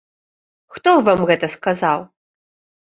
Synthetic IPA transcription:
xt̪ɔvamɣɛt̪ɐskazaw

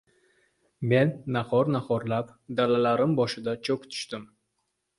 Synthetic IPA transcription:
me̞nːahɒɾnahɒɾlapd̪alalaɾɪmbɒʃɪd̪at͡ʃʰɵpt̪ʰʊ̥ʃt̪ɪm

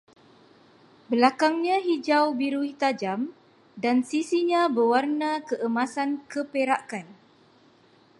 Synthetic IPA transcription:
bəlakaŋɲãɦid͡ʒawbiɾuit̪ad͡ʒam | dansisiɲãbəwarnãkəʔəmãsankəpeɾaʔkan

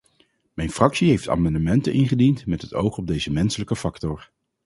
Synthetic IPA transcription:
mɛjnfrɑksiɦejfta̰ːmɑndəmɛntənʔɪnχədintmɛtɦəto̰wχɔb̚dejzəmɛnsələkəfɑktɔɹ

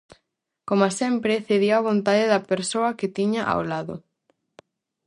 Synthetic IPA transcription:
komasɛmpɾɪθeðioɐβ̞ont̪aðeðɐpeɾsoɐket̪iɲaʔa̰wlaðo̰

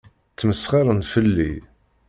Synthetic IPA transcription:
t͡sːməsχiɾˤənfəlːḭ

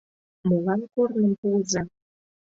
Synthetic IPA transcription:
molɑnkornə̆mpuəzɑ

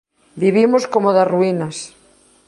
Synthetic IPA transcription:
biβimoskomoðasruinɐs

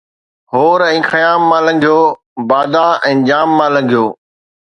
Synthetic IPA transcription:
ɦoːɾɛ̃ːxəjaːmːãːlɐ̃ŋɡʱijoː | baːd̪aːɛ̃ːd͡ʑaːmːãːlɐ̃ŋɡʱijoː

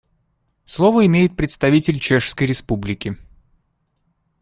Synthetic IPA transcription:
slˠovəɪmʲejɪt̪̚pɾʲɪt̪st̪ɐvʲitʲɪlʲt͡ɕeʂskəjɾʲɪspublʲɪkʲɪ

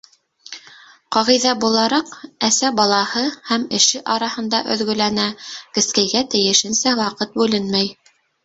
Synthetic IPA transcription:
qɑʁijðɑbulˠɑɾɑqæsæbɑlˠɑhɤhæmɘ̆ʃɘʔɑɾɑhɤ̆nd̪ɑʔɵ̰̆ðɡɵ̆lænækɘ̆skæjɡæt̪ɘ̆jɘ̆ʃɘ̆nsæwɑqɤt̪̚bʉlɘnmæj

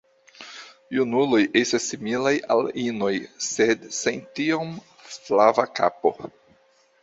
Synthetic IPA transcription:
junulo̞jʔestasːimilajalino̞jsedsentiom | flavaka̰po̰

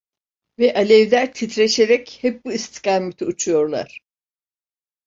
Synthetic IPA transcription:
vɛʔalʲɛvlʲæɾt̪ʰit̪ɾeʃeɾɛchɛp̚buist̪ʰi̥kaːmet̪ʰiut͡ʃʰujo̞ɾlˠa̰ɾ̥

